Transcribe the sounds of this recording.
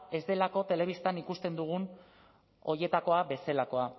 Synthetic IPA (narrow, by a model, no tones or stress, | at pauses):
e̞zd̪e̞lako̞t̪e̞le̞β̞ist̪anikust̪e̞nd̪uɣ̞un | o̞je̞t̪ako̞abe̞selako̞a